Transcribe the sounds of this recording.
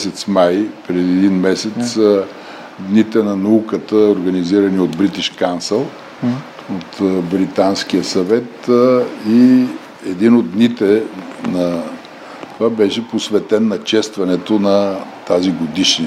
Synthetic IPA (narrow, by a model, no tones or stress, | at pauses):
sɛt̪smajpɾɛd̪iɛd̪inmɛsɛt̪s | d̪nit̪ɛnɐnɐukət̪əoɾɡɐniziɾɐniod̪bɾit̪iʃkansɛlˠ | ot̪bɾit̪ansk̟iəsɐvɛt̪ | i | ɛd̪inod̪̚ːnit̪ɛnɐ | t̪ovabɛʃɛposvɛt̪ɛnːɐt͡ʃɛst̪vɐnɛt̪onɐt̪aziɡod̪iʃ